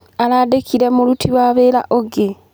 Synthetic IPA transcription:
aladekʰiɾemulutʰiwaβela̰ʔoɡe

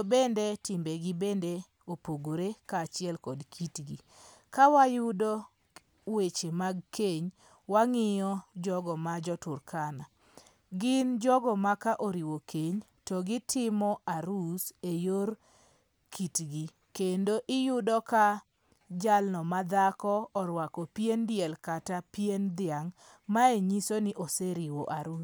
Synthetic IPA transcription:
tobendetɪmbeɡibende | opoɡoɾekaːt͡ʃɪɛlkɔdkʰitɡi | kawajʊdɔ | wet͡ʃemaɡkeɲ | waŋɪjɔd͡ʒɔɡɔmad͡ʒɔtʊrkʰana | ɡɪnd͡ʒɔɡɔmakaʔoɾiwokʰeɲ | tɔɡɪtʰɪmɔaɾusejoɾ | kʰitɡi | kendoʔɪjʊdɔka | d͡ʒalnɔmad̪akɔːɾwakɔpjendɪjɛlkatapiend̪ɪaŋ | maeɲisonɪʔɔseɾiwoʔaɾu

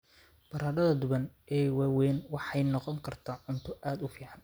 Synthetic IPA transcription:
b̥ɐɾaːɾɐðɐd̪ʊβɐnɛːwaːwɛːnwɑħɑjnɔqɔŋkʰɐrt̪ʰaːʕʊnt̪ʰʊʔaːd̪ʊfiːʕɑn

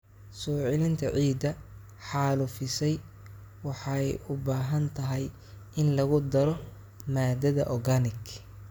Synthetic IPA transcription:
sɔːʕɪlɪnt̪ʰɐʕiːd̪ɐ | ħɑːlʊfɪsɛj | wɑħɑjʊbaːɦɐnt̪ʰɐɦɛj | ʔɪnlɐɣʊd̪ɐɾɔ | maːd̪ɐðɐ̰ʔɔɡɐnɪk

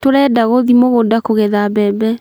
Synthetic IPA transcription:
toɾɛdaɣoðimoɣodakoɣeðabɛbɛ

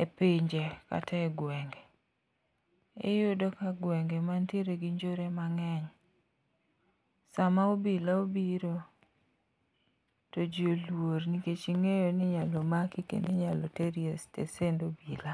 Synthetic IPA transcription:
epiɲd͡ʒeka̰taɛɡwɛŋɡɛ | ɪ̰jʊdokaɡwɛŋɡɛmanteɾeɡiɲd͡ʒoɾemaŋɛɲ | samaobilaobiɾo | tod͡ʒolworniket͡ʃiŋejoniɲalɔmakikḛndeɲalɔteɾiestḛsendobila

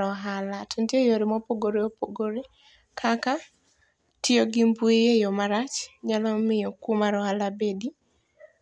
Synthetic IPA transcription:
ɔɦalatʰendiejoɾɪmopoɡoɾeopoɡoɾe | kʰaka | tɪoɡɪmbuejejɔmaɾat͡ʃɲalɔmɪjɔkumaɾɔɦalabedi

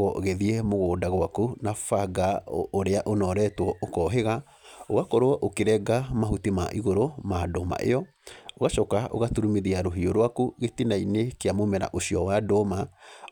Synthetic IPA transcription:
ɔɣɛðiɛmoɣoːdaɣwakunafaɡaoɾeaʔonɔɾɛːtwɔokɔːɦeɣa | oɣakɔɾoɔʔokeɾɛɡamaɦutima̰ʔiɣoɾomaːdoma̰ʔḛjɔ | oɣaʃɔkao̰ɣatuɾumeðiaɾoɦioɾwakuɣetinainekeamomɛɾa̰ʔoɕiɔwadoma

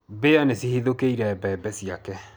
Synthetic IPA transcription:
beanesihiðokeiɾaɛbɛɛbɛsiakɛ

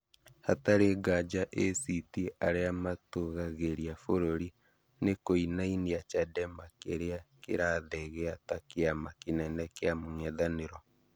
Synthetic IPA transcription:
hataɾeɡad͡ʒaʔesitiʔaɾeamatoɣaɣeɾiafoɾoɾi | nekoinainiat͡ʃadɛmakeɾeakḛɾaːðɛɣɛatakeamakenɛnɛkeamoŋɛðaneɾɔ

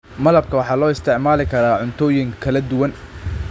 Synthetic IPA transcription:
mɐlɐb̚kʰɐwɑħɑːlɔːɪst̪ʰɛʕmaːlɪkʰɐɾaːʕʊnt̪ʰɔːjɪŋkʰɐlɐd̪ʊwɐn

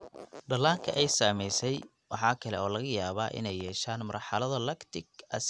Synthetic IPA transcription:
ɖɐlaːŋkʰɐʔɛjsaːmɛjsɛj | wɑħɑːkʰɐlɛɔːlɐɣɐjaːβaːʔɪ̰nɛjːɛːʃaːnmɐrħɑlɐðɐlɐkt̪ʰɪɡɐ̰s

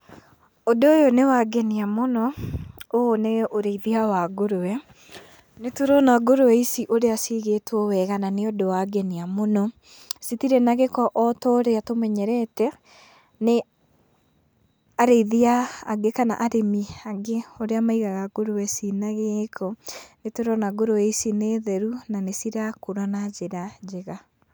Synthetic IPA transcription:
odoːjonewaɡɛniamonɔoneʔoɾeiðiawaɡoɾowɛ | netoɾɔnaɡoɾowɛisiʔoɾeasiɣetwɔwɛɣananeodowaɡɛniamonɔ | sitiɾenaɣekɔʔɔtɔɾeatomɛɲɛɾɛtɛ | ne | aɾeiðiaːɡekana̰ʔaɾemiaɡeoɾeamaiɣaɣaɡoɾowɛsinaɣekʰɔnetoɾɔnaɡoɾoɛisineðɛɾunanesiɾakoɾanad͡ʒeɾad͡ʒeɣa

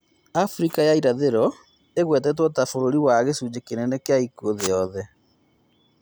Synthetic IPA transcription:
afɾikajaiɾaðeɾɔ | eɣwɛtɛt̬wɔtafoɾoɾiwaɣesud͡ʑekenɛnɛkeaikuoðejɔðɛ

